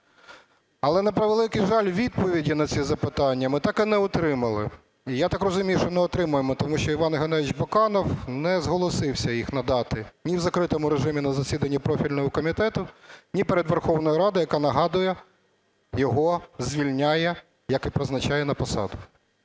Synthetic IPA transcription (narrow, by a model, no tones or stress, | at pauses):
ɐlˠɛnɐpɾɐʋlˠɪkɪjʒɑlʲʋʲid̪̚pɔʋʲidʲinɐt͡sʲizɐpɪt̪ɑnʲːɐmɪt̪ɑkɪnɛʊt̪ɾɪmɐlˠɪ̰ | ijat̪ɑkrɔzʊmʲijʊʃt͡ʃɔnɛɔt̪ɾɪmʊjemɔt̪ɔmuʃʲt͡ʃɔiʋɑnɦɐnɛt͡ʃbɔkɑnɔwnɛzɦɔlˠɔsɪwsʲɐjixnɐd̪ɑt̪ɪnʲiwzɐkɾɪt̪ɔmʊɾeʒɪmʲinɐzɐsʲid̪ɐnʲːipɾɔfʲilʲnɔɦɔkɔmʲit̪ɛt̪ʊnʲipeɾed̪ʋerxɔwnɔjiɾɑd̪ɪjɐkɑnɐɦɑd̪ʊjɛ | jɔɦɔzʲʋʲilʲnʲajɛ | jɐkɪpɾɪznɐt͡ʃajɛnɐpɔsɑ̰d̪ʊ